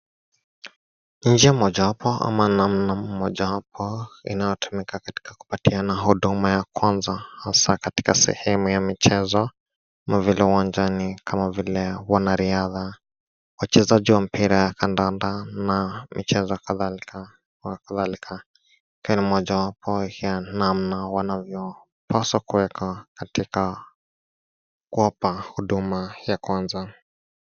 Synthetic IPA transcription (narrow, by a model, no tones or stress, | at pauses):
n̩d͡ʒiamɔʄawapɔʔa̰manamnamɔʄawapʰɔḭnajɔtumikʰakati̥kaku̥patianaɦuɗumajakwanzahasakati̥kasɛ̰hɛmujamit͡ʃɛzɔ | mavilɛuwand͡ʒanikʰamavilɛwanaɾiaða | wat͡ʃɛzaʄiwam̩piɾajakandandanamit͡ʃɛzɔkaðalka | kaðalikʰa | kɛnimɔʄawapʰɔhianamnawanavjɔ | pʰasakuwɛkʰakatika | kuɔpahuɗumajakwanza